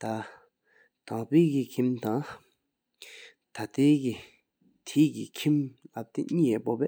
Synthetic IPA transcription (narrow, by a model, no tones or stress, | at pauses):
t̪a | t̪aŋpeːkikʰimt̪aŋ | t̪ʰat̪eːki | t̪ʰiːkikʰimlap̚t̪eɲiːɛpopɛː